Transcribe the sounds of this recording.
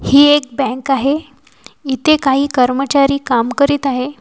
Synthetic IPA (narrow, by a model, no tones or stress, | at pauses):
hiːek̚bɛ̃ŋkaɦe | it̪ʰekaɦiːkəɾmət͡ɕaɾiːkamkəɾiːt̪aɦe